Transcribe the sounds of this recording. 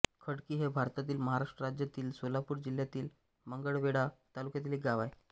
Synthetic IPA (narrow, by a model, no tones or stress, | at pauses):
kʰəɽkiːɦebʱaɾt̪at̪iːlməɦaɾaʂʈɾəɾad͡ʑjat̪iːlsolapuːɾd͡ʑiljat̪iːl | məŋɡəɭʋeɽat̪alukjat̪̬iːleɡaʋaj